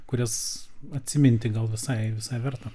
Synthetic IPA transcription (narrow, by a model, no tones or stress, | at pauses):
kʊɾʲɛsɐt̪ʲsʲɪmʲɪnʲt̪ʲɪɡɐlˠʋʲɪsɐɪʋʲɪsɐɪʋʲɛrt̪ɐ